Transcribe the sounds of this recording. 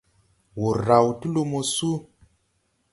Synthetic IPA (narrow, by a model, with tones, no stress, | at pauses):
wo˨ɾa˨wti˦lo˦mo˨su˦